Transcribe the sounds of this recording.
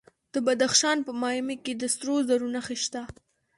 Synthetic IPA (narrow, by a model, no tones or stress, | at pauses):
d̪̥əbad̪axʃɑnpəmɑjameked̪əsɾozaɾunaxeʃt̪a